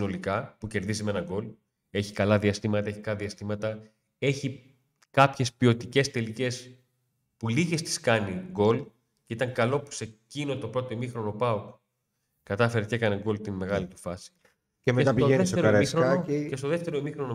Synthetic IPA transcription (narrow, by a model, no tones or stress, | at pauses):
no̞likɐpuce̞ɾðizime̞nɐɡo̞l | e̞çi̥kɐlɐðiɐst̪imɐt̪ɐe̞çi̥kɐlɐðiɐst̪imɐt̪ɐ | e̞çi | kɐpçe̞spio̞t̪ice̞st̪e̞lice̞s | puliʝest̪i̥skɐniɡo̞l | ceit̪ɐŋkɐlo̞pu̥secino̞t̪o̞pɾo̞t̪o̞imixɾo̞nopɐuk | kɐt̪ɐfe̞ɾecekɐneɡo̞lt̪ime̞ɣɐlit̪u̥fɐsi̥ | emeet̪ɐoeefteoɾiɾooest̪oðe̞ft̪e̞ɾo̞imixɾono